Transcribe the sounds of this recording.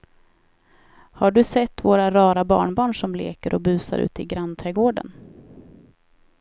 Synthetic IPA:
haɖɵsɛt̪ːvoːɾaɾɑːɾabɑ̰ːɳbɑːɳʂɔmlḛːkəɾʔɔbʉ̟ːsa̰ɾʔʉ̟̰ːt̪ɪɡɾant̪ʰɾɛːɡoːɖə̰n

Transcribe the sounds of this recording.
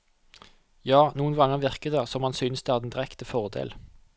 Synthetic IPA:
jɑːnuːənɡɑŋəʁʋɪʁkəd̪eːsɔmhɑnsʏnəsd̪ɛhæd̪nd̪ɪʁɛkt̪əfɔʁd̪ḛːl

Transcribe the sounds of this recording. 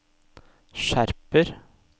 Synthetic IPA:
ʃæɾpəɾ

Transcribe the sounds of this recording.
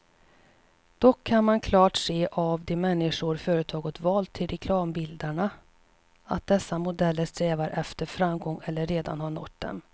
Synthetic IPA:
d̪̥ɔkʰːanmankʰlɑːʈseːʔavd̪ɛmɛnːɪʂʊɾfœːɾət̪ʰɑːɡət̪vɑːlt̪ʰːɪlɾʔɛkʰlɑːmbɪld̪aɳa | a̰t̪̚d̪ɛsːamʊd̪ɛlːəɾst̪ɾɛːvaɾʔɛft̪əɾfɾamːɡɔŋːɛlːəɾːeːd̪a̰nhaɳɔʈd̪ɛ̰n

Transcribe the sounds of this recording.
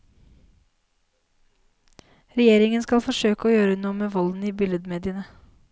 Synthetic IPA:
ɾɛjeːɾɪŋənskɑlfɔʂøːkəoːjøːɾənuːəmeːʋɔln̩iːbɪləd̪meːd̪ɪənə

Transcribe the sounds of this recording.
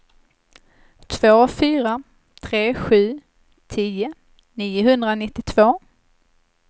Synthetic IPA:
t̪ʰv̥oːfyːɾa | t̪ʰɾeːɧʉ̟ː | t̪ʰiːʊ | niːʊɦɵnd̪ɾanɪt̪ːɪt̪ʰv̥oː

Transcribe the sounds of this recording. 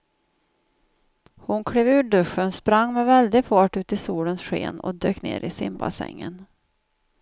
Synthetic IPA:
hʊnkʰɽeːvʉ̟ːɖɵʂːənspɾaŋːmɛvɛld̪ɪɡfɑːʈːʉ̟ːt̪ɪsuːlənsɧḛːnɔ̰d̪øːknḛːɾʔɪsɪmba̰sɛ̰ŋːən

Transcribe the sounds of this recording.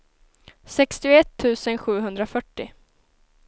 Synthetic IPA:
sɛkst̪ɪʊɛt̪ʰːʉ̟ːsənɧʉ̟ːɦɵnd̪ɾafœʈːɪ

